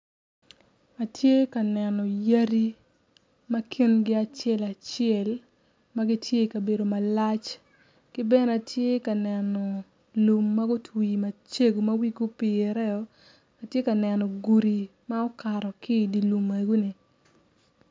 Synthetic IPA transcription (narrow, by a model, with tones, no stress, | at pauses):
a˨tje˦ka˨nɛ˨nɔ˨ja˦ɾi˦ | mɐ˦kʰɪ˦nɡɪ˦a˨t͡ʃɛ˦la˨t͡ʃɪɛ˨l | ma˦ɡi˦tje˦˨kɐ˨be˨do˨ma˨la˦t͡ʃ | kɪ˦bɛ˦na˨tʰje˦ka˨nɛ˨nɔ˨ | lu˨mːa˦ɡʊ˦tʰwi˨mɐ˨t͡ʃe˦ɡu˨mɐ˦wi˦ɡu˦pɪ˨ɛ˨ɾɛ˦ɔ˨˦ | a˨tje˦ka˨nɛ˨nɔ˨ɡu˨ɾi˨ma˦ɔ˦ka˨ɾɔ˨kɪ˦˨di˨lu˨me˨ɡu˦ni˨